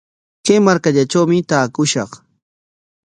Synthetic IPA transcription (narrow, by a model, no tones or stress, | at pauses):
kejmaɾkaʎat͡ʃawmɪt̪aːkʊʃɑ̰χ